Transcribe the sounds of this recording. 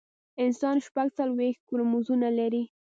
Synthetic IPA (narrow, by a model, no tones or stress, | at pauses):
ɪnsɑnʃpaɡt͡salwext̪̚kuɾmuzunalaɾi